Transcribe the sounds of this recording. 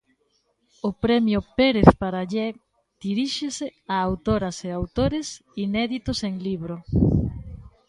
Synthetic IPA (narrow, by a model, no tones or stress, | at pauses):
ʊpɾɛmjʊpeɾeθpaɾaʎɛ | d̪̥iɾiʃeseaːwt̪oɾaseawt̪oɾes | inɛðit̪ʊseŋliβɾʊ